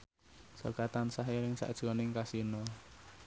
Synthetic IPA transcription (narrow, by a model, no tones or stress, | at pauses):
sə̰rɡ̥at̪ansaɦeɾɪŋsa̰ʔd̥ʒ̥ɔnɪŋkasinɔ